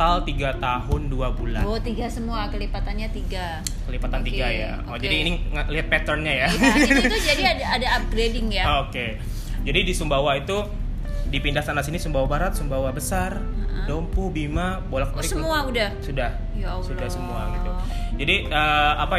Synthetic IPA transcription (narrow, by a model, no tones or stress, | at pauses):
alt̪iɡat̪aɦʊnduabula̰t̪iɡasəmuakəlipat̪anɲat̪iɡa | kəlipat̪ant̪iɡaja̰ | od͡ʒadiːniŋliɦat̪̚pɛt̪ərnɲajat̪ud͡ʒadiadaːdaːp̚ɡɾedɪŋjaoke | d͡ʒadidisumbawait̪u | dipindahsanasinisumbawabaɾat̪̚sumbawabəsar | dompubima | bolaklsəmuaudahsudah | sudahsəmuaɡit̪u | d͡ʒadiəapa